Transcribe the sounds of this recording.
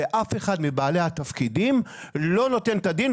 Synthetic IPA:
eʔafe̞χad̪mibaːle̞hat̪afkidimlo̞no̞t̪e̞nt̪ad̪in

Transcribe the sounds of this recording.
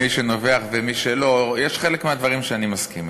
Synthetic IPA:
iʃe̞no̞ve̞aχvemiʃelo̞jeʃχe̞lekmead̪vaʁimʃeanimaskim

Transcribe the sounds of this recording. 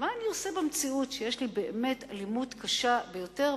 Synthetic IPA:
maːniosebemt͡siutʃejeʃlibeeme̞talimudkaʃabejo̞te̞ʁ

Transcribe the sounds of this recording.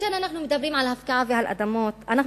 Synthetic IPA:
ananaħnumɪt̪abɾiːnʕalaʔafkaʕafiːhalʔa̰d̪amoːt̪ʔana

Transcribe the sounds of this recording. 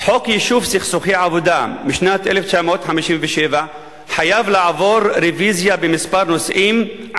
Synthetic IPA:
ħokjiʃuvsiχsuχiʕavod̪amiʃnat̪ʔeleft͡ʃamot̪ħamiʃimveʃeva | ħajavlaʕavo̞ɾɾevizjabemispaɾnosʔim

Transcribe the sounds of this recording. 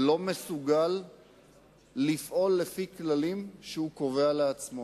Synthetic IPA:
lo̞mesuɡal | ifʔo̞lːefiklalimʃeuko̞ve̞aleat͡smo

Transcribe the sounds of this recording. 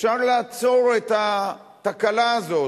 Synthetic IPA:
ʃaʁlaːt͡so̞ʁet̪a | t̪akalaːzo̞

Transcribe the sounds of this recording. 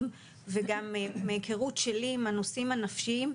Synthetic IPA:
m | veɡammeke̞ʁutʃeliːmhanosimhanafʃiim

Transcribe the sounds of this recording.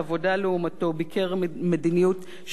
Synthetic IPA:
avo̞daleumato̞bikʰeʁmedinijut | ʃ

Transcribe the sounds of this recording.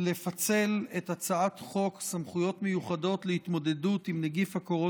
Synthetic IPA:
le̞fat͡se̞letat͡saatχo̞ksamχujo̞tme̞juχado̞tleit̪mo̞de̞dutimneɡifhako̞ʁo

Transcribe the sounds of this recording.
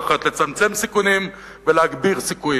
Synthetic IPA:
χat̪le̞t͡samt͡se̞msikunim | veleaɡbiʁsikuji

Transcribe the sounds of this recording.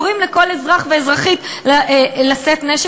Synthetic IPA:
ʁimleko̞lezʁaχveezʁaχit̪llaset̪neʃ

